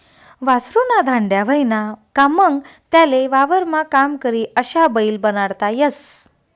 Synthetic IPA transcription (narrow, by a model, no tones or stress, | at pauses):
ʋasɾunad̪ʱãɳɖjaʋəinakaməŋɡt̪jaleʋaʋəɾmakamkəɾiːəɕabəiːlbənaɽt̪ajəs